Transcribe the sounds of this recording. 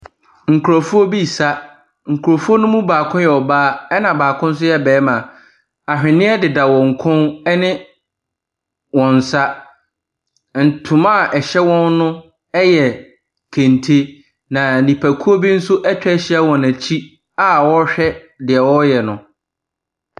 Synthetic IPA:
ŋ̩˨kʰu˨ɾɔ˨fu˦o˦bi˦˨sa˦ | ŋ̩˨kʰu˨ɾo˨fu˦o˦nʊ̃˦mũ˦baː˨kʰʊ̃˦jɛ˨ɔ˨baː˦ɛ˦nã˨baː˨kʰʊ̃˦n̩˦s̬ʊ˦jɛ˦bɛː˨˦mã˨ | a˨ɕᶣɪ˨nɪ̃˦ɛ˦dɪ˨da˨wɔ̃˨ŋ̩˨kʰʊ̃˦nɛ˦nɪ̃˦ | wɔ̃˨n˨sa˦ | n̩˨tʰʊ̃˨mã˦˨ʔɛ˨ɕɛ˦wɔ̃˦nnʊ̃˦ | ɛ˦jɛ˨ | kʰẽ˨ntʰe˦ | nã˨nĩ˨pʰæ˨kʰu˦o˦bi˦n̩˦sʊ˦ʔɛ˦t͡ɕᶣɛ˦ɕɪ˦ɛ˦wɔ̃˨næ˨t͡ɕʰi˦ | a˦wɔ˦ɕᶣɛ˦ | dɪ˨ɛ˨wɔ˦jɛ˨nʊ̃˨

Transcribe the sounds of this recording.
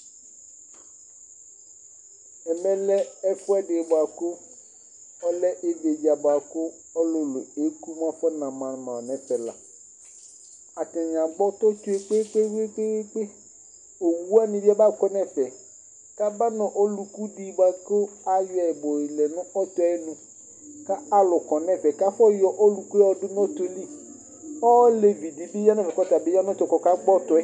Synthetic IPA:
ɛ˨mɛ̃˦lɛ˦ɛ˦fʊ˦ɛ˦ɖe˨bʊ˨a˨kʊ˦ | ɔ˦lɛ˦ʔe˦de˨d͡ʒa˨bʊ˨a˨kʊ˦ | ɔ˦lʊ˨lʊ˨e˨˦ku˦mã˦fɛ˦nã˨mã˨n˨mã˨nɛ̃˨fɛ˨la̰˨ | a˨tɛ̃˨ɲã˨ɡ͡bɔ˦t̪ɔ˦tu˦e˦k͡pe˦k͡pe˦we˦k͡pe˦k͡pe˦ | o˨wu˦a˦nĩ˨ba˦ba˦kɔ˦nɛ̃˦fɛ˨ | ka˦ba˦nɔ̃˨ʔo˦lu˨ku˦di˨ba˦ko˦a˨jɛ˨bɔ˨lɛ˨nʊ̃˦ɔ˦t̪ɔ˦ɛ˦nũ˨ | ka˦a˦lʊ˨kɔ˨nɛ̃˦fɛ˨ka˦fɔ˦jɔ˨ʔɔ˦lu˨ku˦ɛ˦ɔ˨dɪ˦nɔ̃˦t̪o˨li˦ | ɔ˦le˨vi˨di˨bi˦ja˦nɛ˦˨fɛ˨kɔ˦t̪a˨bɪ˦ja˦nɔ̃˦t̪ɔ˨kɔ˨ka˦ɡ͡bɔ˦t̪ɔ˨ɛ˦

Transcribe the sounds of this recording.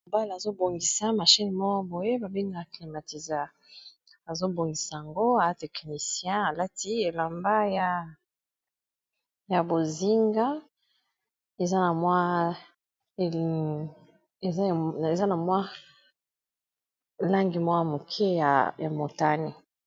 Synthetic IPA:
o˨ba˦la˨zo˦bo˨ŋɡi˨sa˦ma˨ʃi˦ni˨mɔ˦ko˦bo˨je˦ba˨bi˦ŋɡa˨kli˨ma˨ti˨za˦ | a˨zo˦bo˨ŋɡi˨sa˨a˨ŋɡo˦a˨˦tɛ˨kni˨sjɛ̃˦a˨la˦ti˦e˨la˨mba˦ja˨ | ja˨bo˨zi˦ŋɡa˦ | e˨za˦na˨mwa˦˨ | e˨ze˨za˦na˨mwa˦ | la˦ŋɡi˨mwa˦a˦mo˨kʰe˦ja˨ja˨mo˨ta˦ni˨

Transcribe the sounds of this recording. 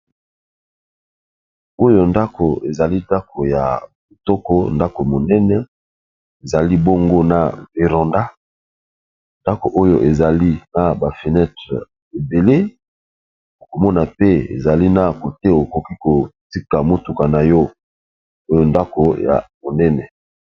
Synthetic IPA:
o˦jo˨nda˦ko˨e˨za˨li˦da˦ko˨ja̰˨bo˨tɔ˦ko̰˦nda˦ko˨mo˨nɛ˦nɛ˦ | e˨za˨li˦bo˦ŋɡo˦na̰˨bi˨ʁɔ̃˨nda˦ | nda˦ko˨ʔo˦jo˦ʔe˨za˨li˦na˦ba˨fe˨nɛ˦tʁɛ˨ | e˨be˨le˦ | o˨ko˨mɔ˦na˨pe˦ḛ˨za˨li˦na˦ko˨te˦o˨ko˨ki˦ko˨ti˦ka˨mo˦tu˨ka˨na˨jɔ˦ | o˦jo˦nda˦ko˨ja̰˨mo˨nɛ˦nɛ˨

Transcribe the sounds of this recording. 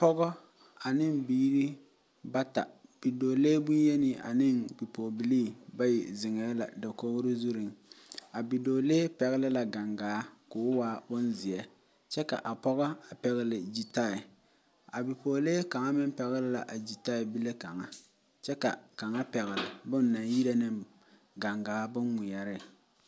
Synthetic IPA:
pɔ˦ɣɔ˦ | a˨nɪ˦mbiː˦ɾi˦ | ba˦ta̰˨b̥i˨doː˨leː˦bu˦je˦nɪ˦ʔa̰˨nɪ˦˨ŋbi˨po˨bi˨liː˦ba˦jɪ̰˨zɪ˨ŋɛ˨˦la̰˨da˨ko˦ɣʊ˦ɾɪ˦zu˦ɾi˨ŋa˨bi˨doː˨leː˦pɛ˨ɣɛ˦lɪ˦la˨ɡa˨ŋɡaː˨˦kʊ˨ʊ˦waː˦bʊ˦nzɪ˨ɛ˦ | t͡ʃɛ˦ka̰˨ʔa˨pɔ˦ɣa˦a˨pɛ˨ɣɪ˦lɪ˨d͡ʒi˨ta˦˨ɪ˨ | a˨bi˨poː˨leː˦ka˨ŋa˦mɪ˦m˦pɛ˨ɣɪ˦lɪ˦la˨ʔa˨d͡ʒi˨ta˦˨ɪ˨bi˦le˦ka˨ŋa˦ | t͡ʃɛ˦ka̰˨ka˨ŋa˦pɛ˨ɣɪ˨lɪ˨bʊ˦n˦nːa˨ji˦ɾa˦nɪ˦m | ɡa˨ŋɡaː˨˦bʊ˦ŋːʊ˨ja˨ɾɪ˦˨

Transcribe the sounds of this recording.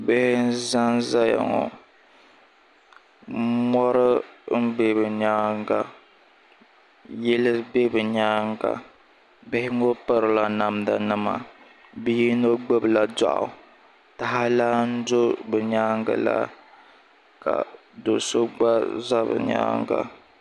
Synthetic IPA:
bɪ˦hɪ˦n̩˦za˦nza˦ja̰˨ŋɔ̰˨ | mɔ˦ɾɨ˦n̩˦be˦bɨ˨ɲaː˦ŋɡa˨ | jɛ˦lɨ˦be˦bɨ˨ɲaː˦ŋɡa̰˨ | bɪ˦hɪ˦ŋ˦o˦pa˦ɾɨ˨la˨na˨mda˨nɨ˦ma̰˨ | bi˦ji˦no˦ɡ͡be˦bɨ˨la˨da̰˦˨ʔa̰˨ | ta˨ɦa˦laː˦n̩˦do˦bɨ˨ɲa˦ŋɡa̰˨la̰˦ | ka̰˨ | do˨so˦ɡ͡ba˦za˦bɨ̰˨ɲa̰ː˦ŋɡa̰˦

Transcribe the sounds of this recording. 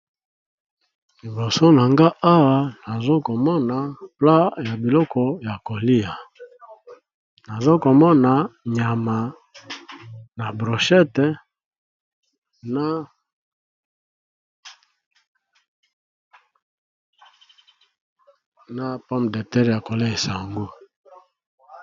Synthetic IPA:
li˨bo˨so˦na˨ŋɡa˦ʔa˦wa˦na˨zo˦ko˨mɔ˦na˨pla˦ja˨bi˨lɔ˦kʰɔ˨ja˨ko˨li˦a˨ | na˨zo˦ko˨mɔ˦na˨ɲa˨ma˨ | na˨bʁo˨ʃɛ˦tɛ˨ | na˦ | na˦pɔ˦m˨dɛ˨tɛ˦ɾja˨ko˨li˦˨e˨sa˨ŋɡu˦

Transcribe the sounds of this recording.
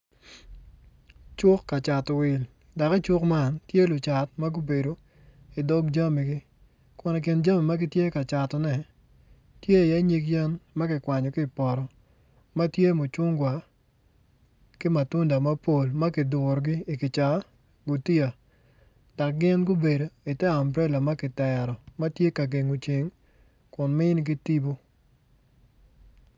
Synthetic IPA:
t͡ʃʊ˦kːa˨t͡ʃa˨twɪ˨l | da˨kɪ˦t͡ʃʊ˦kma˦ntje˦lʊ˨t͡ʃa˨tma˦ɡu˦be˨do˨ | ɪ˨do˦ɡd͡ʒa˦mi˨ɡɪ˦ | kɔ˨nɛ˨k̬ɪ˨nd͡ʒa˦mi˨ma˦ɡɪ˦tje˦ka˨t͡ʃa˨tɔ˨nɛ˨ | tje˦˨ja˦ɲi˦kjɛ˦nma˦kɪ˨kwa˨ɲɔ˨kɪ˦pɔ˨ɾɔ˨ | ma˦tje˦mʊ˨t͡ʃʊ˦ŋɡwa˨ | kɪ˦ma˨tʊ˦nda˨ma˦po˨lma˦kɪ˨dʊ˨ɾɡɪ˦ɪ˨kɪ˨t͡ʃa˨˦ | ɡu˨ti˦a˨ | d̥a˨k̚ɡɪ˦nɡu˦be˨do˨ɪ˨tɛ˦a˨mbɾɛ˦la˨ma˦kɪ˨tɛ˨ɾɔ˨ma˦tje˦ka˨ɡe˨ŋu˨t͡ʃe˨ŋ | kʊ˨nmɪ˦ɪ˦nk̬ɪ˦ti˦bo˦

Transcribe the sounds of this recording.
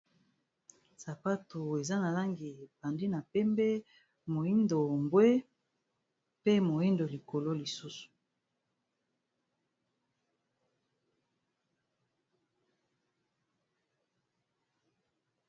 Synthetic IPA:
sa˨pa˦tu˨e˨za˦na˨la˦ŋɡi˨pa˨ndi˦na˨pɛ˦mbɛ˦ | mo˨i˦ndo˨ŋɡwe˦ | pe˦mo˨i˦ndo˨li˨ko˨lo˦li˨su˦su̥˨

